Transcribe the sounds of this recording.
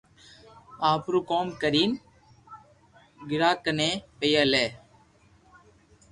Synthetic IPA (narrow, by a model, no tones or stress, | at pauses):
aːpɾukoːmkɐɾiːn | ɡɪɾaːkɐnepejɐle